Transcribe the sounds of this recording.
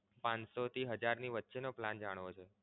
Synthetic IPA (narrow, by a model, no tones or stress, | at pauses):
pãnsot̪ʰiɦəd͡ʒaɾniʋətːʃenopland͡ʒaɽ̃ʋot͡ʃʰe